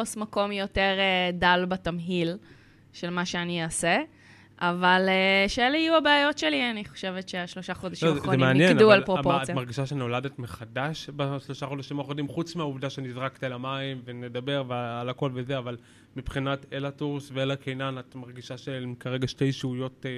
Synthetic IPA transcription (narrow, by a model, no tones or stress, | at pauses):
osmako̞mjo̞teʁedalbatamɦil | ʃe̞lmaʃeaniase | ʔavaleʃeeleijuabeajo̞tʃelianiχo̥ʃevetʃeaʃlo̞ʃaχo̞daʃlioaχʁemieamnjeɡnadualpʁopojamaʁɡiʃaʃeno̞ladetmeχadaʃbeʃlo̞ʃaχo̞daʃimaχodimχut͡smeauvdaʃenizʁakt̪ialamaimve̞nedabe̞ʁvealako̞lvezeaval | mipχinatelatuʁsveelakʰejnanatmaʁɡiʃaʃekaʁeɡaʃte̞jʃeujo̞t